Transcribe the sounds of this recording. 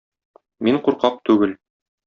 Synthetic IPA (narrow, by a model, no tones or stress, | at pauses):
miɴquɾqɑq̚t̪ʉɡɘl